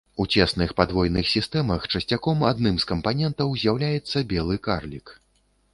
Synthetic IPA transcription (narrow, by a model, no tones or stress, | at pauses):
ut͡sʲɛsnɨxpad̪vɔjnɨxsʲist̪ɛmɐxt͡ʂɐsʲt͡sʲakɔmad̪nɨmskɐmpanʲɛnt̪ɐwzʲjawlʲajɛt̪sːɐbʲɛlˠɨkarlʲik